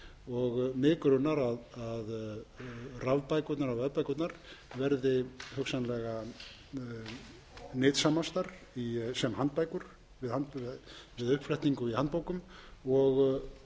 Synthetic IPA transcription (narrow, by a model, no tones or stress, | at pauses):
ɔɣmɪːkʏɾʏnaɾaðað | ravpajkʏt̪naɾavɛðpajkʏt̪naɾ̥vɛɾðɪhœksanlɛɣa | nɪːt̪samast̪aɾ̥ | isɛmɦant̪̚pajkʏɾ̥ | vɪðhant̪vɪðʏhpflɛht̪niŋkʏihant̪poːwkʏmɔɣ